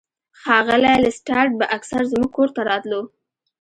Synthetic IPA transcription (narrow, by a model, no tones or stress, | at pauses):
xɑɣəlalasʈɑɾʈ̚baʔaksaɾzmuɡ̚koɾt̪aɾɑt̪lo